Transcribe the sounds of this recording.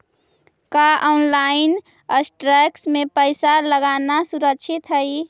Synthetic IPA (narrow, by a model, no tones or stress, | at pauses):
kaʔɔnlaɪn | əsʈɾɛksmepəɪsaləɡanasuɾəkt͡ʃʰit̪ɦəi